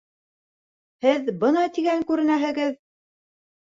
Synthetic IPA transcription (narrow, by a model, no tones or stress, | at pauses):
hɘðbɤnɑt̪iɡæŋkʉɾɘ̆næɦɘ̆ɡɘð